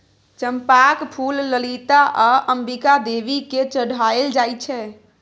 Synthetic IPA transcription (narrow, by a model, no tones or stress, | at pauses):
t͡ʃəmpakpʰulːəlit̪aʔaʔəmbikad̪eʋiket͡ʃəɽ̤aeld͡ʒajt͡ʃʰɛ